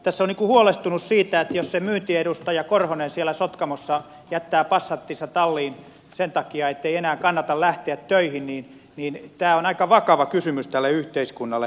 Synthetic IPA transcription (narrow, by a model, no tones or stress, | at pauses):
t̪æsːonniːkuhuolest̪unussiːt̪æet̪jossemyːnt̪iedust̪ɑjɑkorhonensielæsot̪kɑmosːɑ | jæt̪ːæːpɑsːɑt̪ːisːɑt̪ɑlːiːn | sent̪ɑkiɑet̪ːeienæːkɑnːɑt̪ɑllæht̪eæt̪tøihinniːn | niːnt̪æːonɑikɑʋɑkɑʋɑkysymyst̪ælːeyht̪eiskunːɑlːe